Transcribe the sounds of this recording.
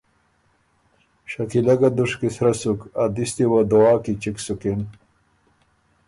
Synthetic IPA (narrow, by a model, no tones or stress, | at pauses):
ɕɐkilɐɡad̪uʂkisɾɐsukad̪ist̪iwɐd̪owaːkit͡ɕiksukin